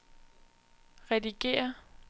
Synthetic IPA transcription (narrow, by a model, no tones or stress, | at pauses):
ʁɛdiɡ̥e̝̰ːɐ